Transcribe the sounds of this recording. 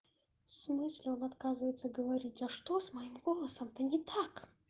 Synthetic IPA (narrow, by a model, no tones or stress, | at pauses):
fsmɨsʲlʲeonat̪kazɨvəjt̪səɡəvaɾʲitʲzaʂt̪o̞smɐjimɡolˠəsəmt̪ʰɐnʲit̪ʰak